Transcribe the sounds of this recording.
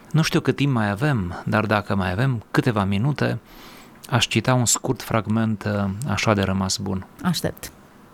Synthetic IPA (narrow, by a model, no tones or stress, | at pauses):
nuʃt̪iukɨt̪ːimpmajave̞md̪ard̪akəmajave̞mkɨt̪e̞vaminut̪e̞ | aʃt͡ʃit̪aunskurt̪fɾʔaɡme̞nt̪a̰ʃad̪e̞ɾəmasbunaʃt̪ḛp̚t̪